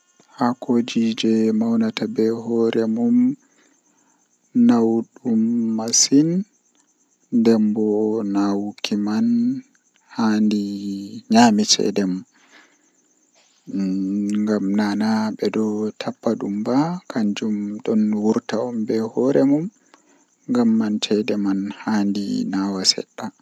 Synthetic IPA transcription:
hakod͡ʒid͡ʒɛmawnatabɛɦɔɾɛmum | nawɗumːasin | dɛmbɔnawkiman | handiɲaːmit͡ʃɛ̰dɛmu | ŋɡamnanaɓɛdɔtʰapːaɗumbakʰaɲd͡ʒumɗɔnwuɾtaɔmbɛhɔɾɛmum | ŋɡamːantʰɛdɛmanhandḭnawasɛ̰ɗːa

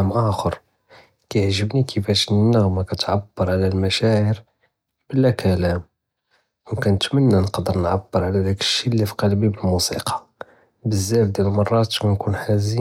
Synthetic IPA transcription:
mʔæxəɾ | kæjʕʒəbnikʰəfæʃnənːəɣmakæt̪ʕabːəɾˤʕlælmæʃæʕəɾ | bəlːækʰælæm | wkænət̪mənːænəqd̪əɾnʕabːəɾʕlæd̪ækə̥ʃːilːifqɑlbibəlmusiqʰɑ̥ | bəzːæfd̪ælmɑrˤːɑt̪kænkunħæzi

